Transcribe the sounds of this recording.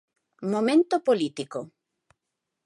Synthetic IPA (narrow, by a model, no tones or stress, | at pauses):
momẽnt̪opolit̪iko